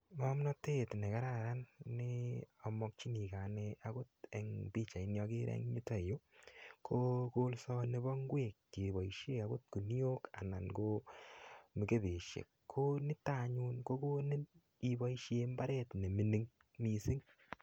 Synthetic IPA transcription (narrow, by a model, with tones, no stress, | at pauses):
mɔ˦mnɔ˦te˦tne˨ka˦ɾa˦˨ɾa˦nːɪ˦ɔ˨mɔ˦k̚t͡ʃi˦ni˨ka˨nɛakʊ˦tɛ˨ŋbi˦t͡ʃa˨i˨njɔ˧kɪ˦ɾɛ̰˦ŋɲi˦tɔ˨jo˦kʰoko˦lsɔ˦ne˦bɔ˦ŋɡwe˨kːi˨bɔ˨iʃe˦ka˦kʊ˦t̚ku˨ni˦o˦ka̰˨na˨nko˦ | mɪ˨ke˦be˨ʃjḛ˨kkʰːo˦nɪ˦ta˦˨ɲu˦nko˦ko˦nɪ˦n | iba˦iʃje˧mba˦ɾɛ˦tne˨mi˨ni˦ŋ | mi˨sɪ˦ŋ